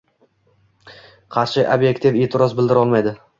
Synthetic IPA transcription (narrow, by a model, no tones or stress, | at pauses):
qʰɑɾʃɪʔabjekt̪ʰifet̪ʰɪɾɒzbɪld̪ɪɾɒlˠmajd̪ɪ